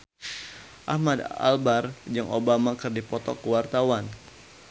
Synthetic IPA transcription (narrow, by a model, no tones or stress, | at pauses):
ʔahmad̪a̰lbard͡ʒɨŋʔobamakɨrdipɔt̪ɔ̰kəwart̪awan